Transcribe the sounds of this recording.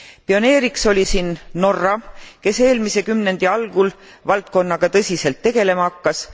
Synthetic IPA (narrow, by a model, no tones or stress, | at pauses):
pio̞ne̞ːɾikso̞lʲisiːnːo̞rːɑke̞se̞ːlmise̞kymne̞nd̪̥iɑlɡ̥ul | vɑlt̪̚ko̞nːɑɡ̥ɑt̪ɤsʲise̞lt̪ːe̞ɡ̥e̞le̞mɑɑkːɑs